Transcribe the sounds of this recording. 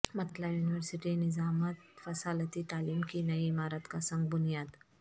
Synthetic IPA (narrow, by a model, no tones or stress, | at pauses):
mɐt̪lajuːnɪʋəɾsɪʈinɪzaːmət̪fɐsaːlət̪it̪aːliːmkinɐiɪmaːɾət̪kasɐ̃ŋɡ̚bʊnijaːd̪